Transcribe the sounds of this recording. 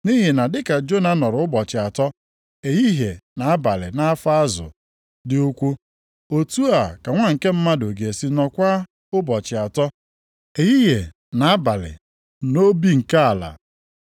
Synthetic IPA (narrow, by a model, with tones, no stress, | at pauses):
ni˦ɦi˨na˨dɪ˦ka˨d͡ʒo˦na˦nɔ˨ɾʊ˨˦ʊ˦bɔ˨t͡ʃɪ˨a˨tɔ˦ | e˨ji˦ɦe˨na˨a˦ba˨lɪ̰˨na˦fa˦a˦zʊ̰˨ | dɪ˦o˦kʷu˦ | o˦tu˦a˨ka˨ŋʷa˦ŋ̩˨ke˦m̩˦ma˦do˨ɡe˨si˦nɔ˨kʷa˦ | ʊ˦bɔ˨t͡ʃɪ˨a˨tɔ˦ | e˨ji˦ɦe˨ | na˨a˦ba˨lɪ̰˨ | no˦bi˦ŋ̩˨ka˦a˨la̰˨